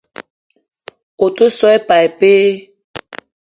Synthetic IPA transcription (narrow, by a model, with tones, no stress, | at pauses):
o˨to˦sɔ˦ɛ˦pa˨e˨pe˦